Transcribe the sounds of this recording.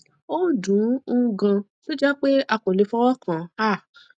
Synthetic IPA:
o˦˨dũ˨˦ũ˦˧˦ɡã˧ | to˦d͡ʒɛ˦k͡pe˦a˧ko˨le˨˧˦fɔ˦wɔ˦kã˨a˦˨

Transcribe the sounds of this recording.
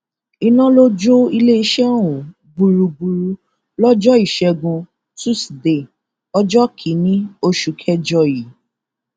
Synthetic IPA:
i˧nã˦lo˦d͡ʒo˦i˧le˦i˦ʃɛ˦˨wũ˨ | bu˧ɾu˧bu˧ɾu˧ | lɔ˦d͡ʒɔ˦i˨ʃɛ˧ɡũ˧ | su˦si˨de˨ | ɔ˦d͡ʒɔ˦kʰi˨˦nĩ˦o˧ʃu˨kʰɛ˦d͡ʒɔ˧ji˨˦

